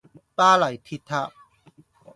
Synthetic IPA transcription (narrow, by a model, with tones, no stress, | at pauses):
t̪aː˥la˨˩jt̪ʰi˧˥t̪ʰːa˧˥ʔ